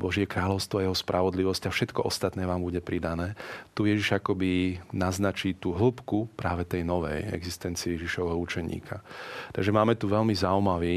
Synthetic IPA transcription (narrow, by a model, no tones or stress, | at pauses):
bɔʒɪɛkɾaːʎɔʊst̪ʋɔajɛɦɔspɾʔaʋɔd̪liʋɔscafʃɛt̪kɔʔɔ̰st̪at̪nɛːʋaːmbuɟɛpɾid̪anɛːt̪ujɛʒiʒakɔbinaznat͡ʃiːt̪uːɦl̩pkupɾaːʋɛt̪ɛjnɔʋɛ̰jɛ̰ɡzist̪ɛnt͡siɛjɛʒiʃɔʋɛɦɔut͡ʃɛɲḭːkʰat̪aɡʒɛmaːmɛt̪uʋɛlmizaumaʋiː